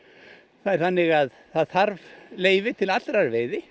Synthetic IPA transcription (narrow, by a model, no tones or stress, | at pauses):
θaðɛɾ̥θanːɪɣað | θaðθaɾvleːjvɪt̪ʰɪlat̪ɾaɾveːjðɪ